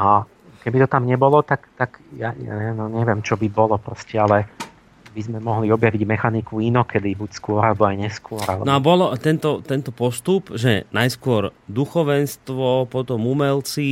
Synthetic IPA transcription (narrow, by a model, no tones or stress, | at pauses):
a | kɛbit̪ɔt̪amɲɛbɔlɔt̪akt̪akja̰a̰ɛnɔɲɛʋɪɛmt͡ʃɔbibɔlɔpɾɔscɛalɛ | bizmɛmɔɦliɔbjaʋiɟmɛxanikuinɔkɛd̪ibucskʊɔɾalɛbɔajɲɛskʊɔɾalɛ̰nɔabɔlɔt̪ɛnt̪ɔt̪ɛnt̪ɔpɔst̪upʒɛ̰najskʊɔɾd̪uxɔʋɛnst̪ʋɔpɔt̪ɔmumɛlt͡si